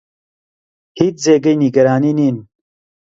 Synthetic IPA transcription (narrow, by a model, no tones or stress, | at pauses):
hit̪zeːɡɐjniɡɐɾaːniniːn